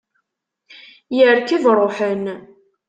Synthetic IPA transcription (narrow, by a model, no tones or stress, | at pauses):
jəɾkiðɾˤoħən